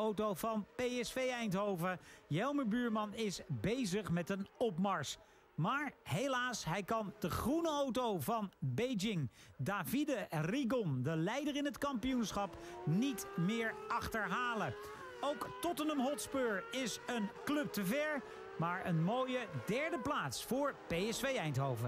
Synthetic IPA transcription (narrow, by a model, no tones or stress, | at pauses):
owtowvɑnpejɛsfejɛjntɦowvəjɛlˠməbyːɹmɑnɪsbejzəχmɛtənɔpmɑɹs | maːɹɦejlaːsɦɛjkɑnd̥əχrunəowtowvɑnbejd͡ʒɪŋdaːvidəriɡɔndəlɛjdərɪnətkɑmpijunsχɑpnitmɪːɹɑχtəɹɦaːlə | owktɔtənəmɦɔtspøːɹɪsənklɵp̚təvɛɹ | maːɹənmojədɛɹdəplaːtsfʊːɹpejɛsfejɛjntɦowvə